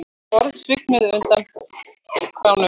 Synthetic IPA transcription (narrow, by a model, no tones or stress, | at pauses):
ɔɾðsvɪk̚nʏðʏnt̪an | kawnʏ